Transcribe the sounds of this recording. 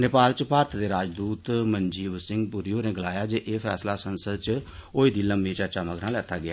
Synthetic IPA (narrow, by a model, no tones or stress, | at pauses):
neːpaːlt͡ʃəpaːɾt̪ʰd̪eːɾaːd͡ʒd̪uːt̪məɲd͡ʒiːʋəsʈɪŋɡpuːɾijoːneːɡəlaːjaːd͡ʒeːʔeːpʰɛ̰ːslaːsənsəd̪t͡ʃoːiːd̪ʱiːləmbĩːt͡ʃat͡ʃaːməkɾãːlɛːt̪ʰaːɡɪaː